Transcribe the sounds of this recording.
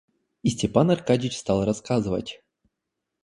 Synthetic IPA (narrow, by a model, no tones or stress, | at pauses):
isʲtʲepanɐrkad͡ʑɪt͡ɕst̪ɑlˠrɐskazɨvə̰tʲ